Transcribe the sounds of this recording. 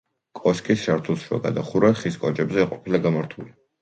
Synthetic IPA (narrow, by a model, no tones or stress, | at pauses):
kʼɔskʼisʃaɾt̪ʰulˠʃua̰ɡa̰d̪aχuɾɛχiskʼɔd͡ʒʼɛbzɛːqʼɔpʰilaɡamaɾt̪ʰuli